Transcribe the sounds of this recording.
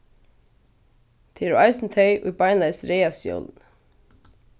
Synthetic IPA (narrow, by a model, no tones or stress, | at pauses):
t̪ʰeːɾṵʔɑɪsn̩t̪ʰœʏʔo̰jbɑɪnlɑɪsɾeɪɑsjɔ̰ln